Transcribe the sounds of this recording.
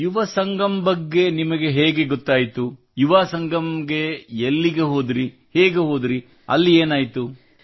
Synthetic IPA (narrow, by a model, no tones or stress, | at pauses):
juʋɐsɐŋɡɐmbɐɡːe̞nimɐɡe̞ɦeːɡe̞ɡot̪ːaːjit̪u | juʋaːsɐŋɡʱɐmɡe̞elːiɡe̞ɦo̞ːd̪ɾi | heːɡeɦo̞ːd̪ɾi | ɐ̰lːieːnaːjit̪u